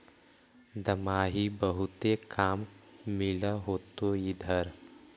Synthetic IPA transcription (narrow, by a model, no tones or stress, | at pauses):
d̪ɐmaːɦibəɦʊt̪ekaːmmɪlaɦoːt̪oid̪ʱəɾ